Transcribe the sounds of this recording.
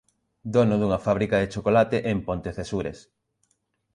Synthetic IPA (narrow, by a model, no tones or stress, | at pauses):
d̪onʊðuŋɐfaβ̞ɾikaðet͡ʃokolat̪eʔempont̪eθesuɾḛs